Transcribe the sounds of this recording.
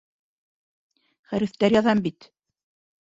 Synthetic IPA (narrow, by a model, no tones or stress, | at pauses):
χæɾɘ̆θt̪æɾjɑðɑmbit̪